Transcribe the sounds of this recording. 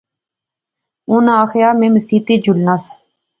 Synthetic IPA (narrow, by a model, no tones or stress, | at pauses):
ʊnaːxjaːmẽːməsiːt̪iːd͡ʒʊlnas